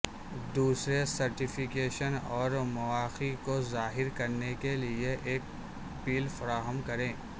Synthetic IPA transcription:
d̪uːsɾesɐɾʈɪfɪkeːʃənɔːɾmɐʋaːxikozaːɦɪɾkɐɾnekelieʔeːk̚ | piːlfɐɾaːɦəmkɐɾẽː

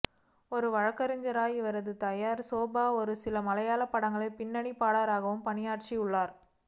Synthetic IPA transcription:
ɔɾɯʋɐɻɐkːɐɾɪɲd͡ʒɐɾaːjiʋɐɾɐðɯt̪ɐjaːɾsoːbaːɔɾɯsɪlɐmɐlɐjaːlɐpːɐɽɐŋɡɐɭɐɪpɪnːɐɳipaːɽaːɾaːɣɐʋɯmpɐnɪjaːʈt͡ʃiʊɭːaːɾ

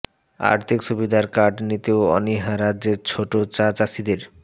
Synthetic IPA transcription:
a̰ɾt̪ʰikʃubid̪ʱaɾkaɖnit̪eoɔ̰niɦaɾaeɾt͡ɕʰoʈot͡ɕat͡ɕasid̪eɾ

